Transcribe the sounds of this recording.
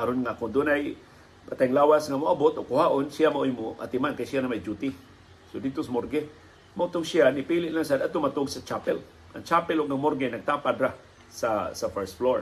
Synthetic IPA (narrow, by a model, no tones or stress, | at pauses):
kaɾʊnŋakʊnd̪unaj | pat̪ajŋlawasŋamʊabʊt̪ʔʊɡkʊɦaʔonsiamaʔʊjmoʔa̰t̪ɪmankajsijanamajd͡ʒut̪ɪ | sodid̚t̪osamorɡe | maʊt̪ʊɡsianipilɪʔlaŋsad̪at̪ʊmat̪ʊɡsat͡ʃapɛl | ʔa̰ŋt͡ʃapɪlʊɡ̚amorɡenaɡ̚t̪apad̪ɾah | sasafɛst̪floɾ